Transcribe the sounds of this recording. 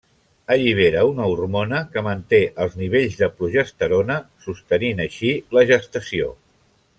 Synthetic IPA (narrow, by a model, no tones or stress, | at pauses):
əʎiβ̞eɾəunəurmonəkəmənt̪eʔəlˠzniβ̞eʎzðəpɾuʒəst̪əɾonəsust̪əninəʃiləʒəst̪əsio̰